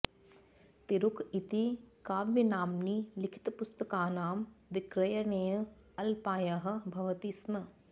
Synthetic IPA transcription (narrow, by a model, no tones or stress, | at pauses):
t̪iɾʊkʰit̪ikaːʋʋɐnaːmnilɪkʰɪ̥t̪pʊst̪əkaːnaːmʋɪkɾɐjɐnẽː | ɐlpaːjɐɦɐ̆bʱɐʋɐt̪ismɐ